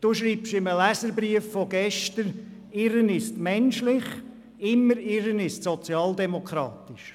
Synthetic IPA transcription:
d̥uːʃɾiːpʃɪməlæsəɾbɾiəfːoɡɛʃtəɾ | ɪɾənɪstmɛnʃlɪχ | ɪmːəɾɪɾənɪstsɔt͡sjɑːld̪ɛmokʰɾɑ̰ːt̪ɪʃ

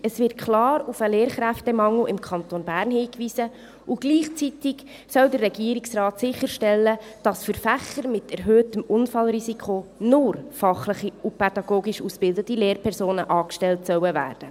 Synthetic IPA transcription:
əsvɪɾt̚kʰlɑːɾufəleːɾχɾæftɛmɑŋl̩ɪmkʰχɑnt̪onbæːɾnhiːkʋisə | ʔuɡ̥liːχt͡sitiɡ | sœldərːɛɡiːəɾɪksrɑːtsɪχəɾʃtɛlːəd̥ɑsfəɾfæχəɾmɪtɛɾɦøːtəmʊnfɑlɾisikχonʊrfɑχləχiupʰɛdɑɡoːɡiʃusb̥ɪldətileːɾpʰɛɾsoːnəʔɑːkʃtɛltsœwəvæ̰ːrd̥ə

